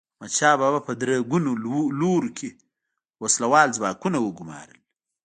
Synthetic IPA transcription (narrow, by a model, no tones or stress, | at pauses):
mat͡ʃaːbabapɐd̪ɾaɡunuluɾkʰe | waslawɑːlzbaːkunawəɡuma̰ːɾə̰l